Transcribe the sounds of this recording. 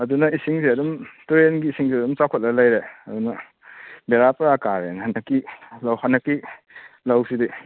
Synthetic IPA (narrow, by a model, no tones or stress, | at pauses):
ɐdunɐisiŋsiɐdumtuɾenɡiːsiŋziɐdumt͡ʃakʰɔt̚lɐlɐjɾeɐdunɐ | beɾapɾakaɾḛnhɐnɐkːilawhɐnɐkːi | lɐwsidi